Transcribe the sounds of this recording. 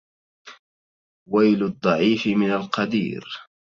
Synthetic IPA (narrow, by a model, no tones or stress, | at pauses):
wajlʊd̪ˤːɑʕiːfɪmɪnalqɑd̪ḭːɾ